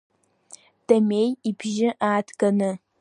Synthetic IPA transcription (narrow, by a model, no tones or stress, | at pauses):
d̥ɐmeːjibʒɪʔaːtʰkɐnɨ